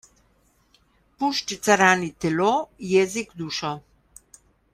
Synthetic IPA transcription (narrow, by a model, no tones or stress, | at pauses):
puʃt͡ʃit̪saɾaːnit̪ɛloːjɛːzikd̪uːʃɔ